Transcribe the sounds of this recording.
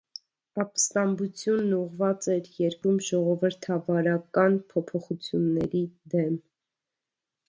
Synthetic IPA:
ɑpst̪ɑmbut͡sʰjunːuʁvɑt͡sɛɾjɛɾkumʒɔʁɔvəɾt̪ʰɑvɑɾɑkɑnpʰɔpʰɔχut͡sʰjunːɛɾid̪ɛm

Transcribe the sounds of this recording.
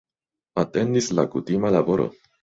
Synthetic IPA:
ate̞ndisla̰kutimalabo̞ɾo̞̰

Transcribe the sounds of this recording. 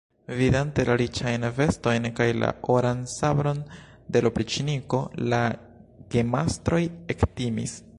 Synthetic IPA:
vidante̞laɾit͡ʃajnve̞sto̞jnkajla̰ʔoɾansabɾo̞n | de̞lopɾit͡ʃiniko̞la | ɡ̥emastɾo̞jektimḭs

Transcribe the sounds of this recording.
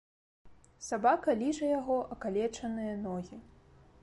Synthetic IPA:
sabakɐlʲiʐɐjaɣɔʔɐkalʲɛt͡ʂɐnɨjɐnɔɣʲi

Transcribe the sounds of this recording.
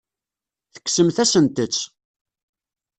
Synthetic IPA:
θə̥kːsəmθæsənt̪ət͡sː

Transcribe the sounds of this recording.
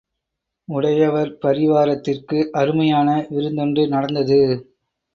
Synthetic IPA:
ʊɽɐjɐʋɐɾpɐɾɪʋaːɾɐt̪ːɪrkɯʔɐɾɯmɐjaːnɐʋɪɾɯnd̪ɔɳɖɯnɐɽɐnd̪ɐðɯ

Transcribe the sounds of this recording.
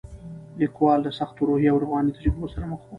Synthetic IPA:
likwɑlːasaxt̪oɾohjawaɾvɣɑnit̪aɾibosaɾaməxwo

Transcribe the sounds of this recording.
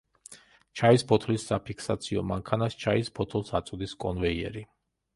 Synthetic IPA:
t͡ʃʰaispʰɔt̪ʰlisːapʰikʰsat̪sʰiɔmaŋkʰanast͡ʃʰaispʰɔt̪ʰlˠsat̪sʼd̪iskʼɔnvɛiɛ̰ɾi

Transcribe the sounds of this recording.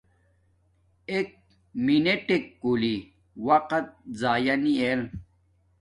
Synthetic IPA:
ek̚ | mineʈekːuli | wɐqɐt̪̚zaːjɐniel

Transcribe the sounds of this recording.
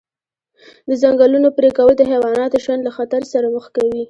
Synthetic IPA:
d̪əzaŋɡalunopɾekawəld̪əɦawɑnɑt̪oʃwand̪laxat̪aɾsaɾaməxkawi

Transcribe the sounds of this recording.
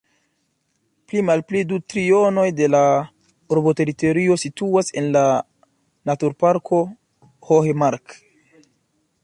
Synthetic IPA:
plimalplidutɾio̞no̞jde̞la | uɾbote̞ɾito̞ɾio̞situase̞̰nla | natuɾpaɾkʰo̞ | hohemaɾk

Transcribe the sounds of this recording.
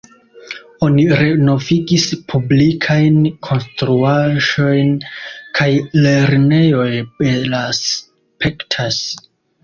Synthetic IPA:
o̞niɾeno̞viɡispʰublikʰajnkʰo̞nstɾuaʒo̞jnkʰajle̞ɾne̞jo̞jbelas | pʰektʰas

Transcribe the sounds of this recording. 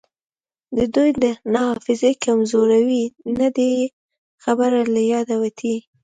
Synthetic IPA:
d̪əd̪ujd̪ənɑhɑfɪzekamzoɾawinad̪e | xabəɾalajɑd̪awat̪ʰi

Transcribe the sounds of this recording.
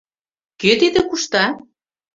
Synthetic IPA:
køt̪id̪ĕkuʃt̪ɑ

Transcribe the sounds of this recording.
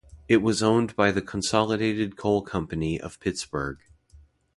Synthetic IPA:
ɨt̚wʌzõʊ̃nbaɪðɨkʰn̩sɑlˠəɾeɪɾɨd̚kʰoʊlˠkʰʌ̃mpɨniʔʌ̰v̥pʰɪtsb̥ə˞ɡ̥

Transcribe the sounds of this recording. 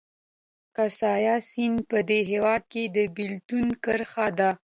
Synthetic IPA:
kasɑjɑsinpəd̪eɦewɑd̪̚ked̪əbɪlt̪unkəɾxad̪a

